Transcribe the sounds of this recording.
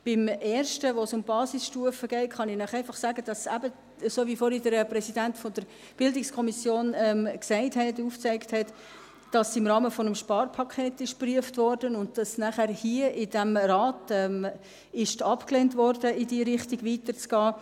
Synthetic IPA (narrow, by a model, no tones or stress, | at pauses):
b̥ɪmɛːrʃtəʋosʊmbɑːsɪsʃtuəfəɡ̥ɛɪtχɑnɪnæχæɪfɑχsæːɡəd̥ɑsæbə | soːvifoɾidəɾɛprɛsidæntfɔdəɾ | b̥ɪldɪkskʰɔmisjoːnɛmksæɪthɛtuːft͡sæɪkthɛt | d̥ɑsɪmɾɑːməfɔnəmʃpɑːrpʰɑkʰeːtɪʃpryəftvɔɾdənʊndd̥ɑsnæχæːɾhiəʔɪdæmɾɑːtɛm | ɪʃtɑpkleːntʋɔɾdəɪdiːɾɪχtiɡʋiːtəɾt͡sɡ̥ɑː